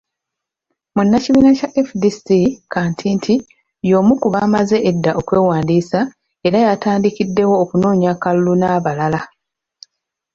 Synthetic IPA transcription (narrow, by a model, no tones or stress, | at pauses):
munːaciβiːnacaʔefdisikaːntʰiːntʰi | jo̞ːmukuβaːmaze̞ʔedːaʔo̞kwe̞ːwaːndiːsa | e̞ɾajataːndikidːe̞wo̞ːkunoːɲakalulunaːβalala